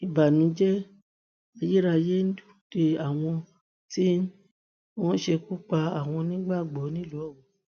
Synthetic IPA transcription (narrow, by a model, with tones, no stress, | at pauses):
i˨ba˨nĩ˨˦d͡ʒɛ˦ | a˧ji˦ɾa˧je˦n̩˦du̥˦˨d̥e˧a˨w̃ɔ̃˧ | ti˦ | wɔ̃˦ʃe˧ku˦k͡pa˧a˨w̃ɔ̃˧nĩ˦ɡ͡ba˦˨ɡ͡bɔ˨˦nĩ˦lɔ˨˦ɔ˦˨ɡɔ̃˨